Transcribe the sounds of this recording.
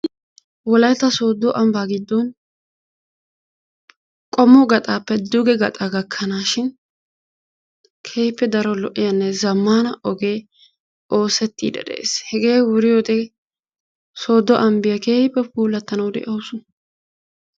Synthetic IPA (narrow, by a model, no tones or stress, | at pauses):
wɔlɐjt̪ːɐso̞ːd̪ːɔʔɐmbaːɡɪd̪ːɔn | kʼɔmːɔɡɐt̪ʼaːpːɛd̪ʊɡɛɡɐt̪ʼaɡɐkʰːɐnaːʃɪn | kʰeːhɪpːɛd̪ɐɾɔlɔʔːɪjɐnːɛzɐmːaːnɐɔɡe̞ː | ʔo̞ːsɛt̪ːḭːd̪ɐ̰d̪ɛ̰ʔḛːshɛɡe̞ːwʊɾɪjoːt̪ɛ | so̞ːd̪ːɔʔɐmbɪjɐkeːhɪpːɛpuːlːɐt̪ːɐnɐwd̪ɛ̰ʔɐwʊsʊ